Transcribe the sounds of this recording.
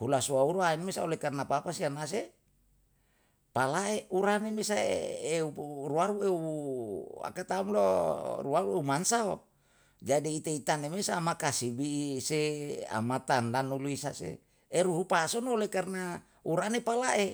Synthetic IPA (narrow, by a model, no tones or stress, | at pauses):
hulasuauɾuanmesaolekarnapapasianas̬e | palaeuɾanemesaḛeuruaɾueu | a̰kat̪aumloruaɾueumansao̰ | d͡ʒadiːt̪eit̪anemesaːmakasibisea̰mat̪andanuluisasḛ | eɾuɦupasonolekarna | uɾanepalaʔe